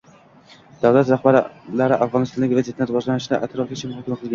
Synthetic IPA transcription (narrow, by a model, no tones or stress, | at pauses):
d̪̥avlat̪ɾahbaɾlaɾɪʔafʁɒnɨst̪ɒnɪkʲvazet̪ʰːnɾɨvɒʒlanɪʃd̪a̰ʔat̪ʰɾɒfk̪ʰʲɪt͡ʃʰɪmhɑkʲɪmqʰɨlˠɡʲa